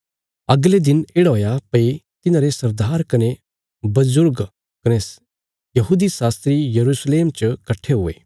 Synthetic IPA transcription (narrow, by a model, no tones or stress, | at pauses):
ɐɡled̪ɪneɽɦoːjapɐit̪ɪnãːɾesɐɾd̪ʱaːɾkɐne | bɐzʊɾɡ | kɐne | jɐɦuːd̪isaːst̪ɾijɐɾuːsleːmt͡ʃkɐʈʰeɦʊḛː